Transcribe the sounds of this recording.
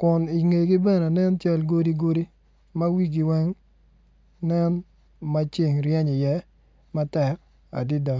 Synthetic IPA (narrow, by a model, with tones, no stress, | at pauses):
kʊ˨ni˨ŋe˨ɡi˦bɛ˦ne˨nɛ˦nt͡ʃa˦lɡo˦di˦ɡo˦di˦ | ma˦wi˦ɡi˨wɛ˦ŋ | nɛ˦n | ma˦t͡ʃi˦˨ŋɾjɛ˦ɲɪ˨jɛ˦ | ma˦tɛ˨ɾ | a̰˨dɪ˦da˨